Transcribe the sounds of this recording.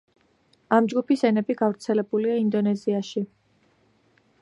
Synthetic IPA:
amd͡ʒɡupisɛnɛbiɡavɾt̪sʰɛlɛbuliaind̪ɔnɛziaʃi

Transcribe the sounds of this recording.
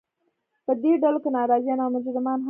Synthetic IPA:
pəd̪eɖalokenɑɾɑzjɑnawmʊd͡ʒɾɪmɑnɦ

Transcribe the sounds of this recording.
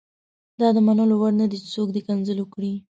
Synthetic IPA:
d̪ɑd̪əmanəlowaɽnad̪it͡ʃɪ̥t͡sokd̪əkanzəlwʊkɽi

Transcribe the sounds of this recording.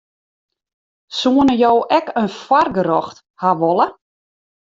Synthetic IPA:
suənəjoːʔɛkənfwarɡəɾɔxt | haʋɔlˠə

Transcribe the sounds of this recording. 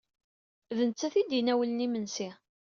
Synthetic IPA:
ðənt͡sːæθid̪inæwələnimənsi

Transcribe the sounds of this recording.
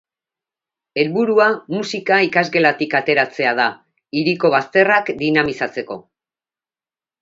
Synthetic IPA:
e̞lβuɾuamusikaikazɣe̞lat̪ikat̪e̞ɾat͡se̞að̞a | iɾiko̞βast̪e̞rakd̪inamisat͡se̞ko̞̰

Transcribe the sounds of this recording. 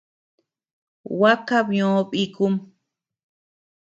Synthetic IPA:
wakabɲoːpikum

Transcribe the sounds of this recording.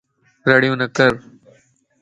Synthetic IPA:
ɾɐɽijõːnɐkəɾ

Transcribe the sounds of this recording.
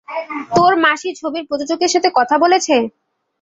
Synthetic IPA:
t̪oɾmaʃit͡ɕʰobiɾpɾod͡ʑod͡ʑokeɾʃat̪ʰekɔt̪ʰabolet͡ɕʰe

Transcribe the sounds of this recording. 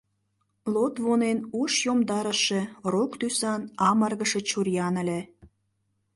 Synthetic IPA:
lot̪βonenuʃjomd̪ɑɾəʃĕrokt̪ysɑnɑmərɣəʃĕt͡ɕurjɑnə̆lʲĕ

